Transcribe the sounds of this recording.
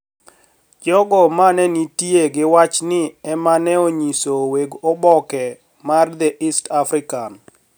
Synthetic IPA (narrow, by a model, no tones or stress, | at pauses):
d͡ʒɔɡɔmanɛnitjeɡɪwat͡ʃnɪɛmanɛoɲisoweɡɔbɔkɛ | mard̪ɛʔistafɾɪkan